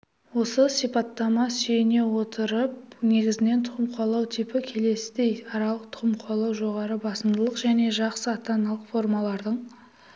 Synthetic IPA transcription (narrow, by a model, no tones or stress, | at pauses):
wo̞səsijpɑt̪ːɑmɑsejɪne̞wo̞t̪ʰəɾəp̚ne̞ɡʲɪzɪne̞nt̪ʰʊʁəmqʰuɑlˠɑwt̪ʰipɪkʲʰe̞le̞sɪd̪e̞jɑɾɑlˠəqt̪ʰʊ̥ʁəmqʰuɑlˠɑwʒo̞ʁɑɾəbɑsəmd̪əlˠəqʒæne̞ʒɑqsəɑt̪ɑnɑlˠəqfo̞ɾmɑlˠɑɾd̪əɴ